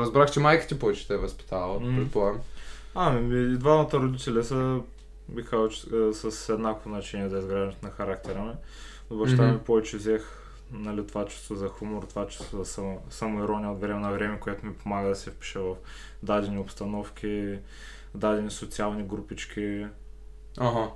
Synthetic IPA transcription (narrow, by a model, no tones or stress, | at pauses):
ɾɐzbɾaxt͡ʃɛmajkə̥t̪ipɔvɛt͡ʃɛ̥t̪ɛɛvɐspi̥t̪ʰaɐlˠəɾiplˠan | amimiːd̪vanɐt̪əɾʊd̪it̪ɛlʲɛsə | bixkazˠt͡ʃsɐsɛd̪nakovoznɐt͡ʃɛniɛzɐizɡɾaʒənt̪nɐxɐɾak̚t̪ɛɾəmɛ | ʊbɐʃt̪amipɔvɛt͡ʃɛvzɛx | nɐlɛt̪vat͡ʃɛ̥st̪vozɐxumoɾt̪vat͡ʃɛ̥st̪vozɐssɐmoiɾɔnʲiɐot̪vɾɛmɛnɐvɾɛmɛkʊɛt̪ʊmipomaɡəd̪ɐsɛfpi̥ʃɛvɐf | d̪ad̪ɛnʲiopst̪ɐnɔfk̟ʲi | d̪ad̪ɛnisʊt̪sialˠniɡɾupit͡ʃk̟ʲi | aɦa